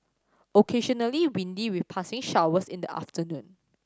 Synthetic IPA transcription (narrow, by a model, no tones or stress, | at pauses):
ʔokʰeʃɔnəliwĩndiwifpʰasɪ̃ŋʃawəsĩndəʔa̰ftənũn